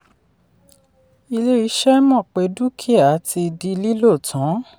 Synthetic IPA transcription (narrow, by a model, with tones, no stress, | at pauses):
i˧le˦i˧˦ʃɛ˦mɔ̃˦˨k͡pe˨˦du˦kʰi˦˨a˨˦ti˧di˧li˦lo˦˨tʰã˨˦